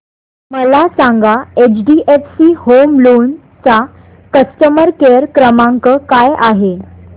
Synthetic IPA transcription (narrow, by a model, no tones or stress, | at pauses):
məlasãŋɡaet͡ɕɖiʔefsiːhomlon | t͡sa | kəst̪əməɾkeəɾkɾəmaŋkəkajaɦe